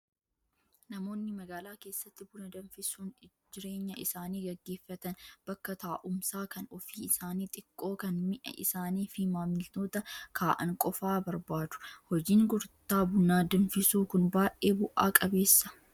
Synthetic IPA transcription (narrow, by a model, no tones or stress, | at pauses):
nɐmo̞ːnːɪmɐɡaːlaːke̞ːsːɐt̪ːɪbʊnɐd̪ɐnfɪsuːn | d͡ʒɪɾe̞ːɲːɐʔɪsaːniːɡɐɡːe̞ːfːɐt̪ɐnb̥ɐkːɐt̪aːʔʊmsaːkɐnɔfiːɪsaːniːt̪ʼɪkʼːo̞ːkɐnmɪʔɐ̰ʔɪ̰saːniːfɪmaːmɪlt̪o̞ːt̪ɐkʰaːʔɐ̰ŋkʼɔfaːbɐɾbaːd̪ʊ̥hɔd͡ʒiːŋɡɔɾt̪ːaːbʊnːaːd̪ɐnfɪsuːkʊnbaːʔʔeːbʊʔaːkʼɐbe̞ːsːɐ̥